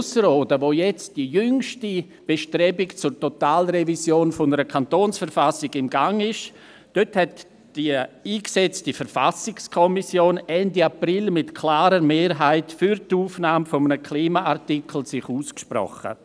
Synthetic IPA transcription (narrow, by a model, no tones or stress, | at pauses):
səɾoːdəʋoːjɛt͡std̥ijʏŋʃti | b̥eʃtɾɛbɪkt͡sʊɾtotaːlrevisjoːnfʊnəɾəkʰantoːnsfəɾfasɪɡɪmɡaŋɪʃ | d̥øthɛt | d̥iiːksɛt͡stifəɾfa̰sɪkskʰɔmisjoːnɛndiaprɪlmɪtkʰlaːɾəmeːɾɦaɪtfyɾtuːfnaːmfomənəkʰliːmaʔaɾtikʰl̩sɪχuːskʃpɾɔ̰χə̰